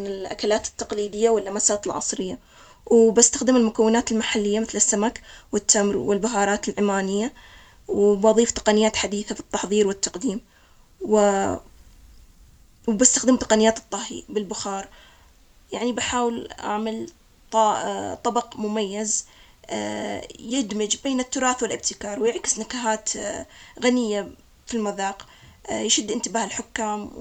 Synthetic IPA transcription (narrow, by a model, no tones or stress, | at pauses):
mɪnɪlʔa̰kalaːt̪ɪ̥t̪ːɑqliːd̪ɪjːawɪlːamasaːt̪ɪlʕɑ̰sˤɾɪjːa | wbast̪axd̪ɪmɪlmʊkawːɪnaːt̪ɪlmaħalːɪjːamɪθlɪsːamakwɪt̪ːamɾwɪlbʊɦɑːɾˤɑːt̪ɪlʕɪmaːnɪjːa | wbʔɑðˤiːft̪ɑ̥qɑnɪjːaːt̪ħad̪iːθabɨt̪ˤːɑħðˤiːɾwɪt̪ːɑqd̪iːm | wɪ | wbɪst̪axd̪əmt̪ɑqɑnɪjaːt̪ɨt̪ˤːɑhḭbɪlbʊxɑːɾˤ | jaʕnibaħaːwɪlʔa̰ʕmal | t̪ˤɑt̪ˤːɑbɑqmʊmajːaz | jɪd̪mɪd͡ʒbeːnɪt̪ːʊɾˤɑːθwɪlʔɪb̚t̪ɪkɑːɾˤwjɪʕkɪsnakaɦaːt̪ | ɣanɪjːa | filmɪðɑːq | jʃʊd̪ːʔɪnt̪ɪbaːhɪlħʊkːaːm